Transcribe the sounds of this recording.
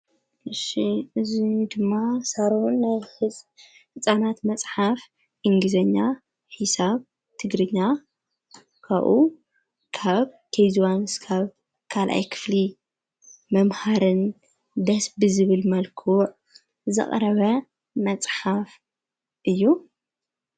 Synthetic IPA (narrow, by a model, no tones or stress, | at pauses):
ʔɨʃiɨzid̪ɨmːasaɾunːaj | ħɨt͡sʼanat̪mɐt͡sʼħaf | ʔɨŋɡɨzɐɲːa | ħisaβ | t̪ʰɨɡɾɨɲːa | kʰaʔu | kʰaβkʰejzwanskʰaβ | kʰalʔa̰jkʰɨ̥fli | mɐmhaɾɨn | d̪ɐsbɨzɨβɨlmɐlkʰuʕ | zɨ̰χʼɾɐβɐ | mɐt͡sʼħaf | ʔɨjːu